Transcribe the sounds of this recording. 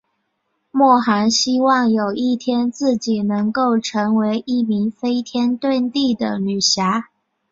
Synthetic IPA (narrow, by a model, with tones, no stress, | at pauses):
mwɔ˥˩xa˧˥nɕi˥wɑ˥˩ŋjo˨˩ʊi˥˩t̪ʰjɛ˥nt͡sɹ̩˥˩t͡ɕi˨˩nɤ˧˥ŋko˥˩ʊʈ͡ʂʰɤ˧˥ŋwe˧˥ɪʔi˥˩mi˧˥ŋfe˥ɪt̪ʰjɛ˥nt̪we˥˧nt̪i˥˩d̪ə̰˩ly˨˩ɕja˧˥